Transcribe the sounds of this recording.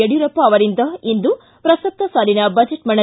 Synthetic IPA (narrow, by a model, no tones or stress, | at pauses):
eɽjuɾɐpːɐːʋɐɾind̪ɐind̪u | pɾɐsɐp̚t̪ːɐsaːlinɐbɐd͡ʒeʈmɐɳɐ